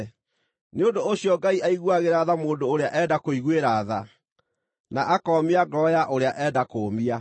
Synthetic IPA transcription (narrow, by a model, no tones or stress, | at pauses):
neondooɕiɔɡaiʔaiɣwaɣeɾaðamoːndoːɾeaʔɛdakoiɣweɾaːða | naʔakɔmiaɡɔjaʔoɾeaʔɛːdakoːmia